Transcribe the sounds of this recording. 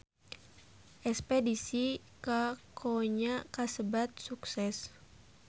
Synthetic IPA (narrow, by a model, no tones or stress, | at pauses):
ʔɛspedisi | kakʰoɲakasəbat̪̚suksɛs